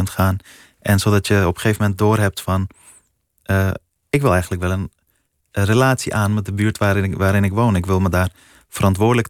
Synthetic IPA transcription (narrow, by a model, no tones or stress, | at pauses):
ntχaːn | ʔɛnsoːdɑtjəɔpəχeːvəmɛnt̚doːrɦɛp̚tfɔn | ʔə | ɪkʋɪlˠɛjɣəntləkʋɛlˠən | relaːtsiʔaːnmɛt̚dəbyːɹtʋaʋaːɾɪnɪkʋoːnɪkʋɪlˠmədaːr | fərʔɑntʋʊːdələk